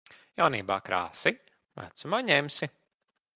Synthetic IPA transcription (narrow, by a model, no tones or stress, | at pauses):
jawniːba̰ːkɾa̰ːsi | væ̰t̪sumaːɲɛmsi